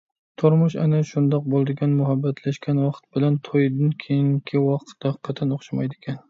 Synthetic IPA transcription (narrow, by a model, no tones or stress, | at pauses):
t̪ʰʊɾmʊʃa̰naʃʊnd̪ɒq̚bolˠd̪ɪɡʲanmʊɦabːat̪ʰlaʃkʲanwɑqt̪̚bɪlant̪ʰojd̪ɪnkʲʰejɪŋkʲʰɪwɒqt̪d̪̥aqʰːɑt̪ʰanoχʃamajd̪ɪkʲan